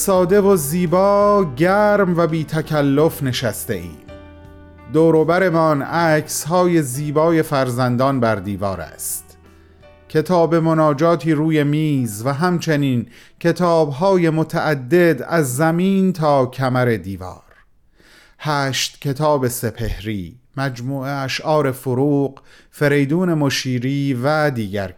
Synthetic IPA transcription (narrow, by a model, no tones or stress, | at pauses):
sɒːd̪e̞voziːbɒːɟæːɾmvæbiːt̪ʰæcʰælːofne̞ʃæst̪eʔḭːm | d̪oːɾoːbæɾe̞mɒnækʰsɦɒːje̞ziːbɒːje̞fæɾzænd̪ɒːnbæɾd̪iːvɒ̰ːɾæ̰st̪ | cʰe̞t̪ʰɒːbe̞mo̞nɒːd͡ʒɒːt̪ʰiːɾuːje̞miːzvæɦæmt͡ʃʰe̞niːncʰe̞t̪ʰɒːbɦɒːje̞mot̪ʰæʔæd̪ːe̞d̪æzːæmiːnt̪ʰɒːcʰæmæɾe̞d̪iːvɒ̰ːɾ | hæːʃt̪cʰe̞t̪ʰɒːbe̞se̞pʰe̞hɾiːmæd͡ʒmuːeæʃʔɒːɾe̞foɾuːɢ | fe̞ɾe̞jd̪uːne̞moʃiːɾiːvæd̪iːɟæɾ